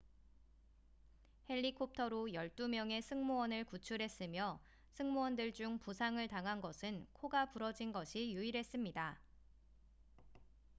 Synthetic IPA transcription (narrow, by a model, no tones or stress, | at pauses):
he̞ʎːikʰop̚tʰʌɾojʌɭt͈umjʌŋe̞sʰɯŋmowʌnɯɭkut͡ɕʰuɾɦe̞s͈ɯmjʌ | sʰɯŋmowʌndɯɭd͡ʑuŋpusʰaŋɯɭtaŋɦanɡʌsʰɯnkʰoɡapuɾʌd͡ʑinɡʌɕʰijuiɾɦe̞s͈ɯmɲida